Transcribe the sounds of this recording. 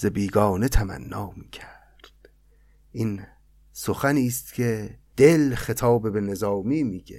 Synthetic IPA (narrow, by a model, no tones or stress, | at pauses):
zebiːɡɒːnet̪ʰæmæ̰nːɒːmiːcʰæ | ɾd̪̥ | ʔiːn | soxæniːst̪̚cʰe̞d̪̥elxet̪ʰɒːbebene̞zɒːmiːmiːɡḛ